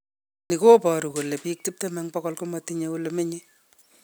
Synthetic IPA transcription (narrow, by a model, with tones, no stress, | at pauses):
ni˨ko˦pɔ˨ɾu˨ko˨le˨pik̚ti˦p̚tɛ˦mɛ˦ŋpɔkɔ˦lko˦matiɲe˦oleme˦ɲe˦